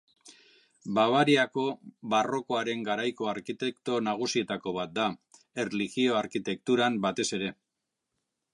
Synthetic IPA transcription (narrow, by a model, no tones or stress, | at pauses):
baβ̞aɾiako̞βaro̞ko̞aɾe̞ŋɡaɾajko̞aɾkit̪e̞kt̪o̞naɣ̞usie̞t̪ako̞β̞at̪̚d̪a | e̞rliɣio̞aɾkit̪e̞k̚t̪uɾambat̪e̞se̞ɾe̞